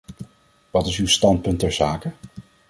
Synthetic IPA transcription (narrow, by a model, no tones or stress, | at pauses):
ʋɑtɪsywstɑnt̚pɵntɛɹzaːkə